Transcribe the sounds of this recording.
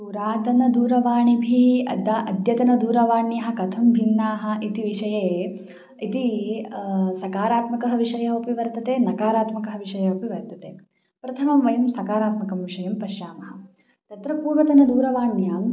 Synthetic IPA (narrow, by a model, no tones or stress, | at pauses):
suːɾaːt̪ɐnɐd̪uːɾɐʋaːɳibʱiɐ̰d̪ɐʔɐd̪jɐt̪ɐnɐd̪uːɾɐʋaːɳjɐɦɐ̆kɐt̪ʰɐmbʱinːaːɦɐ̆ʔit̪iʋiʂɐjeː | it̪i | sɐkaːɾaːt̪mɐkɐɦɐʋiʂɐjɐɦopiʋɐɾt̪ɐt̪eːnɐkaːɾaːt̪mɐkɐɦɐ̆ʋiʂɐjɐupiʋɐɾt̪ɐt̪eː | pɾɐt̪ʰɐmɐmʋɐjɐmsɐkaːɾaːt̪mɐkɐmʋiʂɐjɐmpɐʃjaːmɐɦɐ̆ | t̪ɐt̪ɾɐpuːɾʋɐt̪ɐnɐd̪uːɾɐʋaːɳjaːm